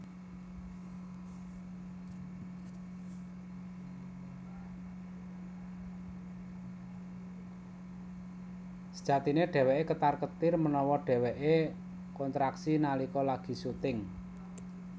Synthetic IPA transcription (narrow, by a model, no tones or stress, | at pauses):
sə̥d̥ʒ̥ä̤t̪ineɖ̥ɛ̤weʔekət̪arkət̪ɪrmənɔwɔɖ̥ɛ̤weʔe | kɔnt̪ɾaksinalikɔlaɡ̥i̤sut̪ɪŋ